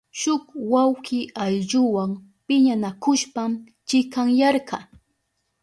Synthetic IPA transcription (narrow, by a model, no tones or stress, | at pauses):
ʃʊkwawkɪajʎʊwaŋ | pɪɲanakʊʃpam | t͡ʃɪkaŋjɑɾɢɑ